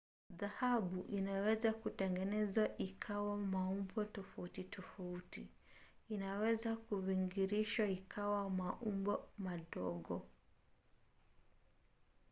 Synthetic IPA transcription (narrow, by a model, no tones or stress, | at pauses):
ðahaɓuʔinawɛzakutɛŋɡɛnɛzwaʔikʰawamaumbɔtɔfautitʰɔfauti | inawɛzakuwiŋɡiɾiʃwaikʰawamaʔumbɔmaɗɔɠɔ